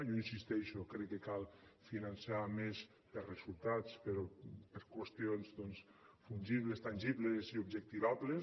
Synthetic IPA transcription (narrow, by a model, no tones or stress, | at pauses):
joinsist̪ɛʃokɾɛkːekalˠfinansamez | perezulˠt̪at͡speɾɔpəɾkwest̪ionzðɔnsfunʲʒiβlest̪anʲʒiβleziubʒek̚t̪iβaβle